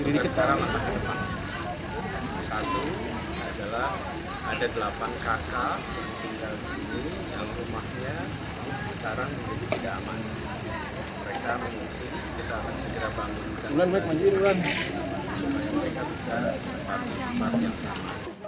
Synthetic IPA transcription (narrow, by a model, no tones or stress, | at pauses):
əɾidikɪt̪səkaɾaŋasakədəpan | a | sat̪u | a̰dalah | adadəlapankakadaŋt̪iŋɡaldisini | jaŋrumahɲa | səkaɾaŋməɲadit̪idaʔaman | məɾekaməŋuŋsɪn | kit̪aːkansəɡəɾabaŋɡuŋkaɾulanmaɛk̚mad͡ʒuiɾulan | supaɲaməɾekabisabəpat̪iəpat̪̚jaŋsama̰